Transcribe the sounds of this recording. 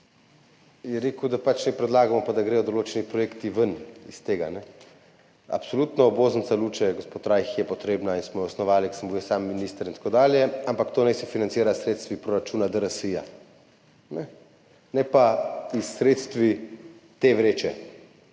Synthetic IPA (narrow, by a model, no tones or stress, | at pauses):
jɛɾeːkud̪apat͡ʃnɛpɾɛd̪laːɡamɔpad̪aɡɾejɔd̪oloːt͡ʃɛnipɾɔjeːkt̪iʋənist̪eːɡanɛ | a̰psoluːt̪nɔːboːzənt̪salut͡ʃɛɡospoːt̪ɾajxjɛpɔt̪ɾeːbnainsmɔjɛɔsnɔʋaːliksəmbuɛsaːmːiniːst̪əɾint̪ḁkod̪aːljɛampakt̪oːnɛjsɛfinant̪iːɾasɾeːt̪st̪ʋipɾoɾat͡ʃuːnad̪əɾəsija̰ | nɛ | nɛpaisːɾeːt̪st̪ʋit̪eʋɾeːt͡ʃɛ